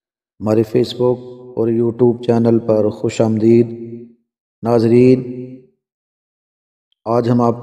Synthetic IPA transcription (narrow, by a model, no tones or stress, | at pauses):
ɦɐmaːɾefʰeːsbʊk̚ɔːɾjuːʈjuːb̚t͡ʃɛːnəlpɐɾxʊʃaːmnd̪iːd̪ | naːzɾiːn | aːd͡ʒɦɐmaːp̚